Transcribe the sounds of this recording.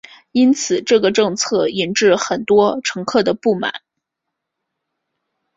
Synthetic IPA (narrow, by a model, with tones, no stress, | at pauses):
i˥nt͡sʰɹ̩˨˩ʈ͡ʂɤ˥˩ɡə˩ʈ͡ʂɤ˥˧ŋt͡sʰɤ˥˩i˧˥nʈ͡ʂɻ̩˥˩xə˨˩nt̪wɔ˥ʈ͡ʂʰɤ˧˥ŋkʰɤ˥˩d̪ə˩pu˥˩ma̰˨˩˦n